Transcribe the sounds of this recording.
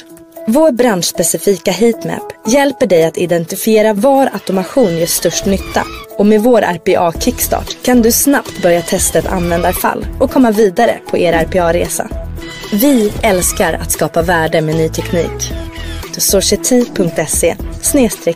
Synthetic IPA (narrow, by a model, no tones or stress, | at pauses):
voːɾbɾanʂspɛsɪfiːkaɦiːt̪mæ̰pjɛlpəɖɛjat̪ɪd̪ɛnt̪ɪfɪeːɾavɑːɾat̪ʊmaɧuːnjɛːʂt̪œʂʈnʏt̪ːa̰ɔmeːvoːɾʔæ̰ɾpɛʔɑːkʰɪkːst̪ɑ̰ːʈkʰand̪ɵsnapt̪bœɾjat̪ʰɛst̪aɛt̪ʰa̰nvɛnd̪aɾfa̰lːɔkʰɔmːaviːd̪aɾə̰pʰɔʔeːɾæɾpʰɛɑːɾeːsa̰ | vɪɛlskaɾa̰t̪skɑːpavæːɖəmeːnyːt̪ʰɛkniːk | t̪ʰɔsʊʂɛt̪ʰiːpʰɵŋk̚t̪ɛseːsneːst̪ɾɛ